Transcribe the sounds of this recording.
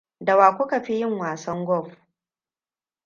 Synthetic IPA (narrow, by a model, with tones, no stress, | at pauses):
da˨waː˨kʷʊ˦kɐ˨ɸi˦jɪ˦ŋwaː˨sɐ˦ŋɡʷɔ˦˨ɸ